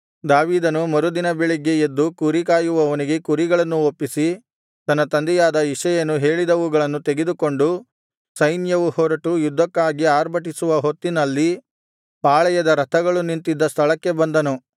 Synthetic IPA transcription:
d̪aːʋiːd̪ɐnumɐɾud̪inɐbeɭiɡe̞ed̪ːukuɾikaːjuʋɐʋɐniɡe̞kuɾiɡɐɭɐnːuopːisi | t̪ɐnːɐt̪ɐnd̪ɛjaːd̪ɐiʂɐjɐnːuɦe̞ːɭid̪ɐʋuɡɐɭɐnːut̪eɡed̪uko̞ɳɖu | sɐjnjɐʋuhɔːɾɐʈujud̪ʱːɐkːaːɡiaːɾbʱɐʈ̬isuʋɐɦo̞t̪ːinɐlːi | paːɭɛjɐd̪ɐɾɐt̪ʰɐɡɐɭunint̪id̪ːɐst̪ʰɐɭɐkːe̞bɐnd̪ɐnu

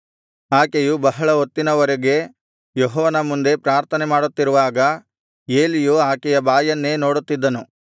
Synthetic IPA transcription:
aːkejubɐɦɐɭɐot̪ːinɐʋɐɾeɡe̞ | joɦɔːʋɐnɐmund̪e̞pɾaːɾt̪ʰɐnemaːɽut̪ːiɾuʋaːɡɐ | e̞ːlijuaːkɛjɐbaːjɐnːe̞ːnoːɽut̪ːid̪ːɐnu

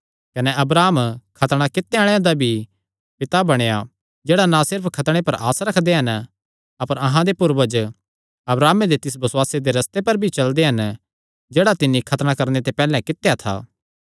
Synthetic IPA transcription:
kɐnɛɐbɾaːmkʰɐt̪ɽ̃akɪt̪ːeaɽ̃jãd̪abʱi | pɪt̪abɐɽ̃eja | d͡ʒeːɽanãsɪɾpʰkʰɐt̪ɽ̃epɐɾʔa̰ːsɾɐkʰd̪eɦɐn | ɐpəɾɐɦãd̪epʊɾʋəd͡ʒ | ɐbɾaːmed̪et̪ɪsbɐswaːsed̪eɾɐst̪epɐɾbʱit͡ʃɐld̪eɦɐn | d͡ʒeːɽat̪ɪnːikʰɐt̪ɽ̃ãkɐɾnet̪epɛːlɛ̃kɪt̪ejat̪ʰa̰ː

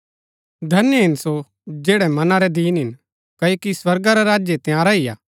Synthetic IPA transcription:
d̪ʱɐnjəɦɪnso | d͡ʒeːɽɛmɐnaɾɛd̪iːnɦɪn | kɐːjokiswɐɾɡaɾɛɾaːd͡ʒjet̪jaːɾaɪja̰ː

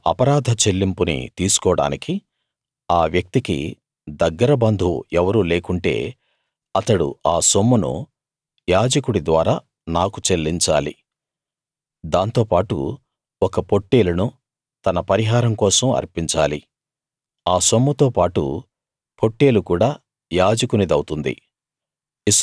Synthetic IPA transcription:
ɐ̰pɐɾaːd̪ʱɐt͡ʃe̞lːimpunḭt̪iːsu̥kɔːɽa̰ːniki | aːʋjɐk̚t̪ikḭ | d̪ɐɡːɐɾɐbɐnd̪ʱuɛʋɐɾuːle̞ːkuɳʈe̞̰ː | ɐt̪ɐɽṵaːsomːunṵ | jaːd͡ʒɐkuɽid̪ʋaːɾaː | naːkut͡ʃelːiɲt͡ʃa̰ːlḭ | d̪aːnt̪o̞ːpaːʈṵ | ɔkɐpo̞ʈːeːlɐnu | t̪ɐnɐpɐɾiɦaːɾɐmkɔːsɐmɐ̰ɾpiɲt͡ʃaːli | aːso̞mːɐt̪o̞ːpaːʈṵ | po̞ʈːeːlukuːɽaː | jaːd͡ʒɐkunid̪ɐwt̪und̪ḭ

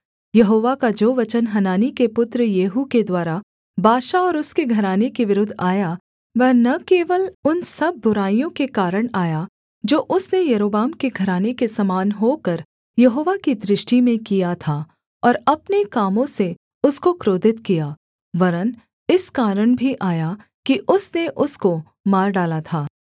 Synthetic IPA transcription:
jɐɦoːʋakad͡ʒoːʋɐt͡ʃənɦɐnaːnikepʊt̪ɾəjeːɦuked̪waːɾa | bʱaːʃaɔːɾʊskeɡʱɐɾaːnekeʋɪɾʊd̪ʱːaːja | ʋɛːnɐkeːʋəlʊnsɐb̚ʱːʊɾaːijõkekaːɾəɽ̃aːja | d͡ʒoːʔʊsnejɐɾoːbaːmkeɡʱɐɾaːnekesɐmaːnɦokəɾ | jɐɦoːʋakid̪ɾɪʃʈimẽkijat̪ʰa | ɔːɾɐpnekaːmõse | ʊskokɾoːd̪ʱɪt̪kijaː | ʋɐɾən | ɪskaːɾəɽ̃bʱiʔaːja | kiʔʊsneʔʊsko | maːɾɖaːlat̪ʰaː

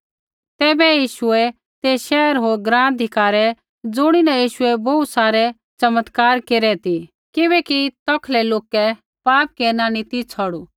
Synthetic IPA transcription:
t̪ɛːbɛjiːʃʊɛ | t̪eːʃɛːɾɦoːɾɡɾãːnd̪ʱɪkaːɾɛ | d͡zʊɽ̃inɐjiːʃʊɛbɔut̪saːɾɛ | t͡sɐmət̪kaːɾkeːɾɛt̪i | kɪbɛːkit̪ɔkʰlɛloːkɛ | paːp̚kɛnaːnit̪it͡sʰɔɽu

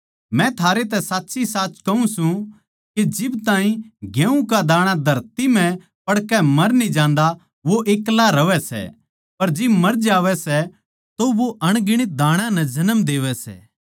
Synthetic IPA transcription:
mɛ̃t̪ʰaːɾet̪ɛsaːtːʃisaːt͡ʃkɐũsũ | ked͡ʒɪbt̪ãːɦĩɡjẽːũkad̪aːɽ̃ãd̪ʱɐɾt̪imɛ̃ | pɐɽkɛmɐɾnĩd͡ʒãːnd̪a | ʋoʔeːklaɾɐʋɛsɛ̰ | pɐɾd͡ʒɪbmɐɾd͡ʒaːʋɛsɛ | t̪oʋoʔɐɽ̃ɡɪɽ̃ɪt̪̚d̪aːɽ̃ãnɛd͡ʒɐnəmd̪eːʋɛsɛ̰ː

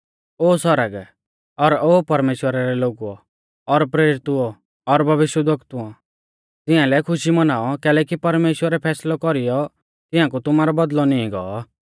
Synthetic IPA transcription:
oːsɔɾəɡ | ɔɾoːpɐɾmeːʃwəɾaɾɛloːɡuɔ̰ | ɔɾpɾeːɾɪt̪uɔ | ɔɾbʱɐʋɪʃwəd̪əkt̪uɔ | t̪ɪãlɛkʰʊʃimɐnaːɔkɛːlɛːkipɐɾmeːʃwəɾɛpʰɛːslɔkɔɾijɔ | t̪ɪ̃ãk̬ut̪ʊmaɾɔbɐd̪lɔniĩɡɔ̰ɔ

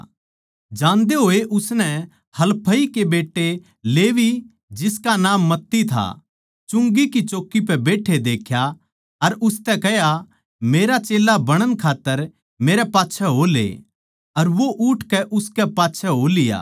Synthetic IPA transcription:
d͡ʒãːnd̪eɦoːeʔʊsnɛ | hɐlpʰəikebeːʈːe | leːʋi | d͡ʒɪskanãːmːɐt̪ːit̪ʰa̰ | t͡ʃʊ̃ŋɡikit͡ʃoːkːip̬ɛbeːʈʰed̪eːkʰja | ɐɾʊst̪ɛkɛja | meːɾat͡ʃeːlabɐɽ̃ənkʰaːt̪ːəɾ | meːɾɛpaːtːʃʰɛɦolḛː | ɐɾʋoʔʊʈʰkɛʔʊskɛpaːtːʃʰɛɦolɪja̰ː

